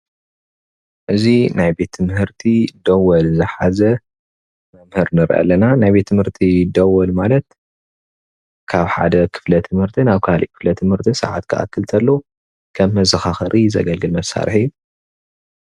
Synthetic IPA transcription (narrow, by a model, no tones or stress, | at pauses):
ʔɨzinajbe̞t̪ʰːɨmɨhɨɾt̪ʰid̪ɐwɐlzɨħazɐ | mɐmhɨɾnɨɾʔɐ̰lɐnanajbe̞t̪ʰːɨmhɨɾt̪ʰid̪ɐwɐlmalɐt̪ | kʰaβħa̰d̪ɐkʰɨ̥flɐt̪ʰɨmhɨɾt̪ʰinaβkʰalʔikʰɨ̥flɐt̪ʰɨmhɨɾt̪ʰisɨ̰ʕa̰t̪kʰɨʔa̰kʰːɨlt̪ʰɐlːo | kʰɐmːɐzɐxaxɐɾʔizɐ̰ɡɐlɡɨlmɐsːa̰ɾħijːu